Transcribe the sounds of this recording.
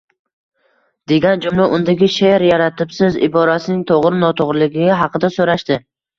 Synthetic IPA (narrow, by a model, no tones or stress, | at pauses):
d̪̥e̞ɡʲand͡ʒʊmlaʔʊnd̪aɡʲɪʃeɾjaɾat̪ʰɪpsɪzɪ̰bɒɾasɪnɪŋt̪ʰoʁɾɪnɒt̪ʰoʁɾɪlɪɡʲɪɦɑqɨd̪asoɾaʃt̪ɪ